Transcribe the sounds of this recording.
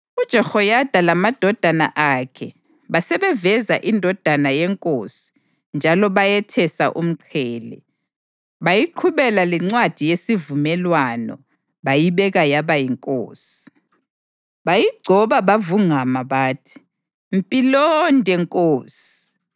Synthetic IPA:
ud̥ʒ̥ʱɛxɔjad̥ʱalamad̥ʱɔd̥ʱana̰ʔakʰɛ | βasɛβɛvɛzaʔindʱɔd̥ʱanajɛŋkʼoːsi̥ | nd͡ʒʱalɔβajɛtʰɛsa̰ʔum̩ǃʰɛːlɛ̰ | βajiǃʰuβɛlalɛŋ͡ǀwad̥ʱijesivumɛlwanɔ̰ | βajiβɛɣajaβajiŋkʼo̰ːsi̥ | βajiɡ͡ǀʱɔβaβavuŋamaβaːtʰi̥ | m̩pʼilɔndʱʼɛŋkʼoːsi̥

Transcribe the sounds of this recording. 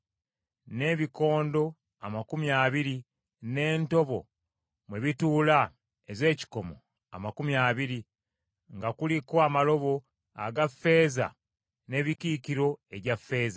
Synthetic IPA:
ne̞ːβiko̞ːndo̞ | a̰makumjaːβiɾi | ne̞ːnto̞βo̞̰ | mwe̞βituːla | eze̞ːci̥ko̞mo̞̰ | a̰makumiaːβiɾi | ŋɡakulikoamalo̞βo̞ | a̰ɡafːe̞ːza̰ | ne̞ːβikiːkiɾo̞e̞βafːe̞ːza

